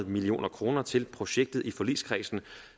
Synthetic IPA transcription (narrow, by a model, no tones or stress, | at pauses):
ð̩ˠmilio̝̰ːnɐkʰʁo̝ːnɐt͡sʰe̝lpʰʁo̝ɕeɡ̥̚d̥ð̩ˠʔifɒ̽lḭːskʰʁḭːsn̩